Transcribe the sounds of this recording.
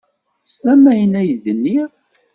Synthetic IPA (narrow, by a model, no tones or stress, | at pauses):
sæmæjənæjðənːi